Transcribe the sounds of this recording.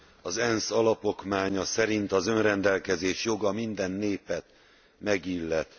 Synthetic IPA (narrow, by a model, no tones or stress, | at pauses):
ɒzɛnsɒlɒpo̞kmaːɲɒsɛɾint̪ɒzø̞nrɛnd̪ɛlkɛzeːʃjo̞ɡɒmind̪ɛnːeːpɛt̪ | mɛɡilːɛt̪